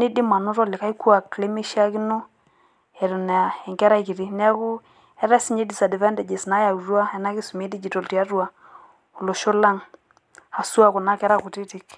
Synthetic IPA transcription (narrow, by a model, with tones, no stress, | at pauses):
ni˦dɪ˦ma˨nu˦ɾɔ˦lɪ˨ka˦i˦ku˦a˨kle˦me˦ʃa˦ki˦no˦ | ɛ˨ɾu˨n˨a˨ɛ˨ŋkɛ˦ɾa˦i˦ki˨ɾi˦nɛ˦a˦kʊ˦ | ɛ˦ɾɛ˦si˦ɲd͡ʒe˦di˨sa˨dɪ˨vɛ˦ndɛ˨d͡ʒe˨sna˦ja˨u˨ɾwa˦ɛ˨na˦ki˦su˨m˦e˦di˦d͡ʒi˨to˨lti˨a˦ɾu˦a˨ | o˨lo˨ʃo˦la˦ŋ | a˨su˦a˨kʊ˨na˦kɛ˦ɾa˦˨ku˨ti˦ti˨k